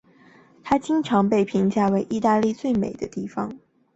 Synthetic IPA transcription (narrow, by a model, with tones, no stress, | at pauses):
t̪ʰa˥t͡ɕi˥ŋʈ͡ʂʰɑ˧˥ŋpe˥˩ɪpʰi˧˥ŋt͡ɕja˥˩we˧˥ɪʔi˥˧t̪a˥˧li˥˧t͡swe˥˩ɪmḛ˨˩ɪd̪ə˦t̪i˥˩fɑ̰˨˩ŋ